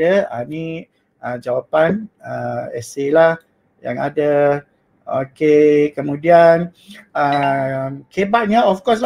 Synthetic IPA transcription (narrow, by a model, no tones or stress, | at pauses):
əani | əd͡ʒawapanəɛselah | ja̰ŋa̰da | o̰kekəmũdian | əmkʰebaʔ̚ɲaɔfkɔs̬l